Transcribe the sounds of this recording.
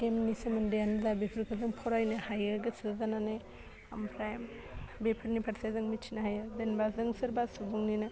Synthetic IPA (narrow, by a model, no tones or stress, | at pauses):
kemnisɯmɯndejanzabepʰɯɾkʰɯzɯŋpʰɔɾajnɯhajɯɾɡɯsɯzanane | ampʰɾajm | bepʰɯɾnipʰaɾsajzɯŋmitt͡ʃʰinaɦajɯɾdenbazɯŋsɯɾbasubuŋninɯ